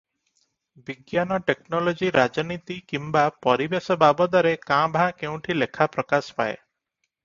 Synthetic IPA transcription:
biɡjanɔʈeknɔlod͡ʒiɾad͡ʒɔnit̪ikimbapɔɾibesɔbabɔd̪ɔɾekãbʱãkeũʈʰilekʰapɾɔkasɔ̥pa̰ḛ

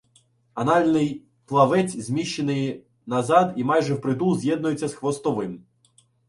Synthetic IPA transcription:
ɐnalʲnɪj | plˠɐʋɛtʲzʲmʲiʃːenɪj | nɐzad̪imajʒɛwpɾɪd̪uzʲjɛd̪nʊjet͡sʲːɐsxʋɔst̪ɔʋɪm

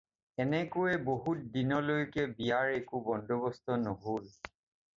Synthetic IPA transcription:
ɛnɛkʊɛboɦut̚dinɔlojkɛbijaɹɛkubɔndobɔstɔnoɦol

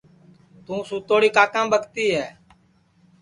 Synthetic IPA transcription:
t̪ũːsũːt̪oːɽiːkaːkãːbʱəkt̪iːɦɛː

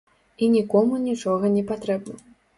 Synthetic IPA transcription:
inʲikɔmunʲit͡ʂɔɣɐnʲɛpat̪ɾɛbnɐ

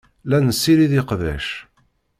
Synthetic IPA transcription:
lænəsːiɾiðiqðæ̰ʃ

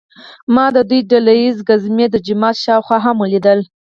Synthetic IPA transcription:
mɑd̪əd̪ujɖalajizɡazmed̪əd͡ʒɪmɑt̪ʃɑwxwɑɦaməlid̪əl

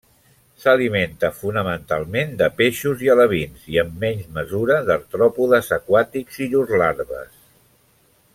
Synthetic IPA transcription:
səliment̪əfunəmənt̪alˠmend̪əpeʃuziələβ̞inziəmːɛɲzməzuɾəðəɾt̪ɾɔpuðəzəkwat̪ikz̥iʎuzlaɾβə̰s

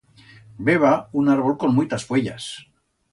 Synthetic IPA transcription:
beβaunaɾβo̞lkonmujt̪asfweʎa̰s

